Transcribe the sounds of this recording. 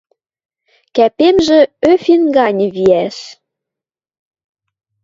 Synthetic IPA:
kæpemʒĕøfinɡɑnʲβiæʃ

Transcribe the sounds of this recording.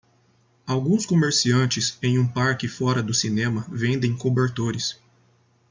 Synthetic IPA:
awɡũskomeɾsiɐ̃nt͡ʃɪsẽj̃ũpaɾkɪfɔɾɐd̪ʊsinẽmɐvẽnd̪ẽj̃kobeɾt̪oɾɪs

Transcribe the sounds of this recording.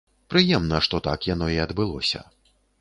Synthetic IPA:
pɾɨjɛmnɐʂt̪ɔt̪a̰kjanɔiɐd̪bɨlˠɔ̰sʲɐ̰

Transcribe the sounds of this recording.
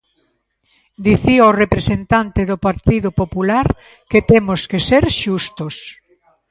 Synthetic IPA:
d̪iθiaorepɾesent̪ant̪eðʊpaɾt̪iðʊpopulaɾ | ket̪emʊskeseɾʃust̪os

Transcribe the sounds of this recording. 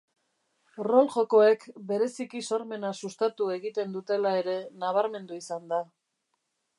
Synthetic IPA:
ro̞lʝo̞ko̞e̞kbe̞ɾe̞sikiso̞ɾme̞nasust̪at̪ue̞ɣit̪e̞nd̪ut̪e̞lae̞ɾe̞naβ̞aɾme̞nd̪uisand̪a

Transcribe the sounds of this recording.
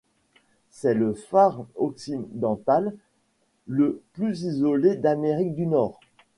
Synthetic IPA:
sɛləfaʁɔksid̪ɑ̃t̪alː | əplyzizɔled̪ameʁik̚d̪ynɔːʁ

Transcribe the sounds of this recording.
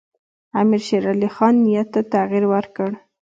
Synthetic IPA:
amiɾʃeɾɑlixɑnːijat̪ːat̪aɣiɾwəɾkəɽ

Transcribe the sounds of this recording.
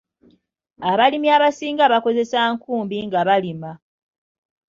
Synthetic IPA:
aβalimiaβasiːŋɡaβako̞ze̞saŋkuːmbiŋɡaβalima

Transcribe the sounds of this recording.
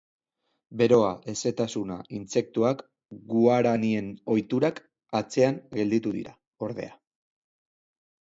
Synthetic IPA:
be̞ɾo̞aʔese̞t̪asuna̰ʔint͡se̞k̚t̪uak | ɡuaɾanie̞no̞jt̪uɾak | at͡se̞aŋɡe̞ld̪it̪uðḭɾa | o̞ɾðe̞̰a

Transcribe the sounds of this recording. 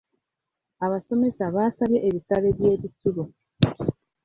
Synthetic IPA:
aβaso̞me̞saβaːsaβjeʔːβisaβe̞βje̞ːβisulu

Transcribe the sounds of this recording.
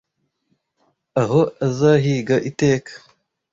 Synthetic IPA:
aɦoazaːɦiːɡaʔiteːkʰḁ

